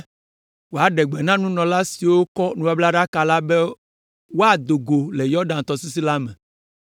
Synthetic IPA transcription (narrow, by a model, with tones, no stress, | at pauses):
wo˨a˨ɖɛ˨ɡ͡bɛ˨nã˦nũ˦nɔ̃˨la˦si˨wo˦kɔ˦nũ˨wa˨˦bla˦ɖa˦ka˨la˦bɛ˦ | wo˦a˨d̪o˨ɡo˨le˨jɔ˦ɖã˨n˨t̪ɔ˨si˦s̬i˦la˦mɛ̃˨